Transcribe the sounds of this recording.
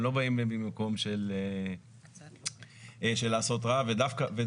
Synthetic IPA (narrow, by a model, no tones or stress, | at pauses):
lo̞baimlibimako̞mʃele | ʃelaːso̞t̪̬ʁaved̪afkave